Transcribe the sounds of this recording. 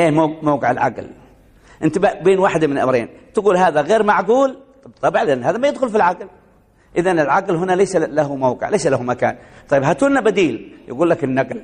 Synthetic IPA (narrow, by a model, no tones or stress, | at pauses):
ʔeːmamawqɪʕɪlʕa̰ql | ʔɪnt̪bbeːnwaːħɪd̪amɪnlʔa̰mɾḛːnt̪ɪɡuːlɦaːðaɣeːɾmaʕɡuːl | bt̪ˤɑbɪʕlɪʔanːhaːðamajɪd̪xʊlfilʕaql | ʔɪðanɪlʕaqlɦʊnaleːsalahʊmawqɪ̰ʕlejsalahumaka̰ːnt̪ˤɑjːɪbɦat̪uːnːabad̪iːlja̰ɡuːlːakɪnːaql